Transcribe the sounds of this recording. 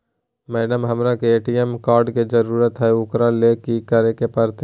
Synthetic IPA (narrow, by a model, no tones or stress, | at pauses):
mɛːɖəmɦɐmɾakeeːʈijemkaːɾɖked͡ʒəɾuːɾət̪ɦɛʊkɾalekikəɾekepəɾt̪